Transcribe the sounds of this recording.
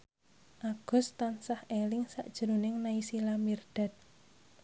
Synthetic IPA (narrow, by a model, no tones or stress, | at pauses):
ʔaɡ̥ɔ̤st̪ansahʔelɪŋsa̰ʔd̥ʒ̥əɾunɪŋnaisilamird̪̥a̤t̪̚